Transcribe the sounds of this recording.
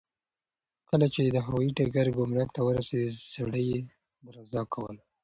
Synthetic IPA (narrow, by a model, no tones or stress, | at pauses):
kəlat͡ʃed̪əɦawɑjiʈaɡaɾɡʊmɾakt̪awəɾased̪saɽəje | mɾazɑkʰawə̰l